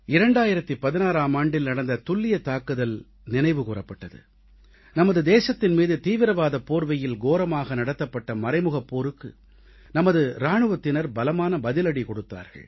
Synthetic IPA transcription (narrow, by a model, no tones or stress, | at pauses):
ɪɾɐɳɖaːjɪɾɐt̪ːɯpɐðɪnaːɾaːmaːɳɖɪlnɐɽɐnd̪ɐt̪ʊɭːɪjɐt̪aːkɯðɐl | nɪnɐɪʋɯkuːrɐpːɐʈːɐðɯ̰ | nɐmɐðɯd̪eːsɐt̪ːɪnmiːðɯt̪iːʋɪɾɐʋaːðɐpoːɾʋɐjɪlɡoːɾɐmaːɣɐnɐɽɐt̪ːɐpːɐʈːɐmɐrɐɪmɯɣɐpːoːɾɯkːɯ̰ | nɐmɐðɯɾaːɳɯʋɐt̪ːɪnɐɾbɐlɐmaːnɐbɐðɪlɐɽikɔɽɯt̪ːa̰ːɾɣɐ̰ɭ